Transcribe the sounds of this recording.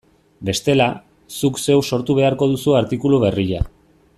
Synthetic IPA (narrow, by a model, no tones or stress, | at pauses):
be̞st̪e̞la | sukse̞wso̞ɾt̪uβ̞e̞aɾko̞ð̞usuaɾt̪ikuluβ̞e̞riʎa̰